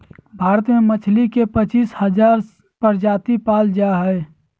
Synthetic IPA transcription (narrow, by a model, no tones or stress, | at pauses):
bʱaːɾət̪memət͡ʃʰlikepət͡ʃiːshəd͡ʒaːɾ | pəɾd͡ʒaːt̪ipaːld͡ʒaɦəe